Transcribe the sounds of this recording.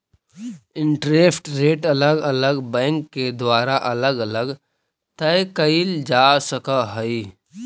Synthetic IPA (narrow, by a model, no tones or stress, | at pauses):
ɪ̃ɳʈɾeːpʈɾeːʈɐləɡɐləɡbɛ̃ːŋkːed̪waːɾaʔɐləɡɐləɡ | t̪əekəild͡ʒaːsəkaɦəi